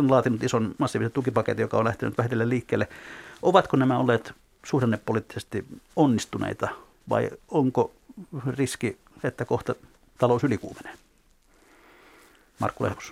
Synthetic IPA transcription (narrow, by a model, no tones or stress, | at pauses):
onlɑːt̪inut̪isonmɑsːiːʋiset̪t̪ukipɑkḛt̪ijokɑ̰onlæht̪ḛnyt̪ʋæhet̪elːelliːkːeːlːeʔoʋɑt̪konæmæolːˑeːt̪ | suhrenːeppolit̪ːisest̪ionːist̪unḛˑit̪ɑ | ʋɑ̰ioŋko | riski | et̪ːækoht̪ɑ | t̪ɑloˑusylikṵːmenen | mɑ̰rkːulḛhmu̥s